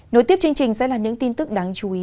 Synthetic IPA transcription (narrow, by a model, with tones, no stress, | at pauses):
no˨˧˦jt̪i˦˥əp̚t͡ɕɨ˧ŋ̚t͡ɕï˨˩ŋ̟sɛ̰˧˥laː˨˩ɲɨ̰˧˥ŋt̪i˧nt̪ɨ˦˥k̚ɗaː˨˦ŋt͡ɕu˨˦ʔi˨˦